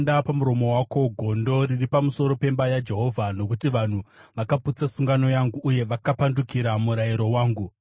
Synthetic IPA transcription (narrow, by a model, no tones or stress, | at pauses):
ndapamuɾo̞mo̞wako̞ɡʱo̞ndo̞riripamuso̞ɾo̞pe̞mbajad͡ʒe̞ɦo̞vʱano̞kutiʋan̤uʋakaput͡sasuŋɡano̞jaŋɡuʔːje̞ʋakapandukiɾamuɾaiɾo̞waːŋɡu